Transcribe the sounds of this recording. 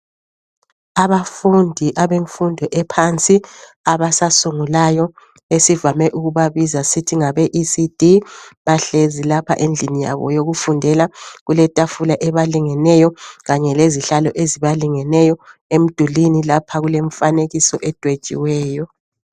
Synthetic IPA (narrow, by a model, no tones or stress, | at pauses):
aβafundʱiʔaβeɱfundʱɔʔɛpʰant͡sʼi | aβasasuŋulajɔ | esivamɛʔuɣuβaβizasitʰiŋaβɛʔisid̥ʱiβaɬezilapʰa̰ʔend͡ɮʱinija̰βɔ̰joɣufundʱɛlaɣulɛtʼafulaʔɛβaliŋɛnɛjɔɣaɲɛleziɬalɔʔeziβaliŋɛnɛjɔem̩d̥ʱulinilapʰaɣuleɱfaneɣisɔʔɛd̥ʱwed̥t͡ʃʼḭwɛːjɔ